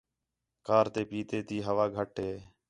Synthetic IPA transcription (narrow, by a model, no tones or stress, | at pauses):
kaːɾt̪eːpiːt̪eːt̪iːɦəʋaːɡʱəʈɦeː